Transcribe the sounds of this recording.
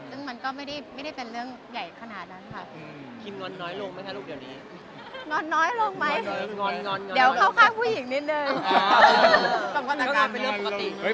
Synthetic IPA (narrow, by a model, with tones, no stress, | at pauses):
sɯ˥˩ŋma˧nkɔː˥˩ma˥˩jda˥˩jma˥˩jda˥˩jpe˧nɾɯ˥˩əŋ | ja˨˩jkʰa˧naː˩t̪̚na˦˥nkʰa˥˩ | kʰi˧nŋɔː˧nːɔː˦˥jlo˧ŋma˥˩j̪ʰa˥˩lu˥˩k̚diː˨˩wniː˦˥ | ŋɔː˧nːɔː˦˥jlo˧ŋma˦˥jŋɔː˧nŋɔː˧nŋɔ˧diː˨˦wkaː˥˩wkʰaː˥˩ŋpʰuː˥˩ji˨˩˦ŋni˦˥t̪̚nɤː˧j | ka˨˩a˧˥a˨˦˥kaa˧pe˧lɯ˥˩˧i˩˥